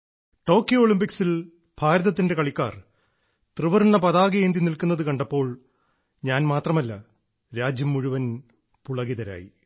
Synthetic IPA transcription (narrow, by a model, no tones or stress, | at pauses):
ʈo̞ːkːjooːɭimpiksil | bʱaːɾɐðɐt̪̬ːinde̞kɐɭikːaːr | t̪rɨʋɐrnːɐpɐðaːɡɐjeːnd̪inilkunːɐðɨkɐɳɖɐpːo̞ːɭ | ɲaːnmaːt̪rɐmɐlːɐ | ɾaːd͡ʑjɐmːuɻuʋɐn | puɭɐɣiðɐɾa̰ːjḭ